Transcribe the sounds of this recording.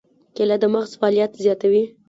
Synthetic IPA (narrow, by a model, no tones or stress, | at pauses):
kelad̪əmaɣzfɑːlijat̪zjɑt̪awi